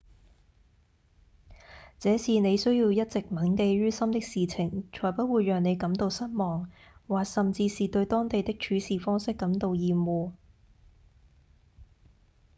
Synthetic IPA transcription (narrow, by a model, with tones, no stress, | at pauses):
t͡sɛː˨˥siː˨˩ne˨˧jsɵ˥ɥjiː˧wjɐ˥t̚t͡sɪ˨k̚mɐ˨˥nke˧jɥyː˥sɐ˥mt̪ɪ˥k̚siː˨t͡sʰɪ˨˩ŋt͡ʃʰɔː˨˩jpɐ˥t̚wuː˨˧jːœː˨ŋne˨˧jkɐ˨˥mt̪o˨wsɐ˥t̚mɔː˨˩ŋ | waː˨˩k̚sɐ˨mt͡siː˧siː˨t̪ɵ˧ɥt̪ɔː˥ŋt̪e˨jt̪ɪ˥k̚t͡ʃʰyː˨˥siː˨˩fɔː˥ŋsɪ˥kːɐ˨˥mt̪o˨˧wjiː˨˩mwuː˨